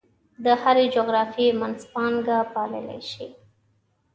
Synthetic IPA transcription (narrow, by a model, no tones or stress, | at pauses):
d̪əhaɾed͡ʒoɣɾɑfemanspɑŋɡapɑlə̰la̰jʃi